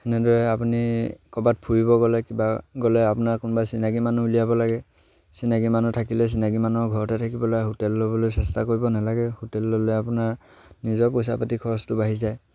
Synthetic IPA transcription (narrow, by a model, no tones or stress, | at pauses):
hɛnɛdɔɹɛapunikɔbat̚pʰuɹibɔɡɔlɛkibaɡɔlɛapunaɹkʊnɔbasinaɡimanuulijabɔlaɡɛ | sinaɡimanutʰakilɛs̬inaɡimanuɔɡʱɔɹɔtɛtʰakibɔlaɦotɛlːobɔlojsɛstakoɹibɔnalaɡɛhotɛlːolɛapunaɹ | nizɔɹpɔjs̬a̰patikʰɔɹɔstʊbaɦizaj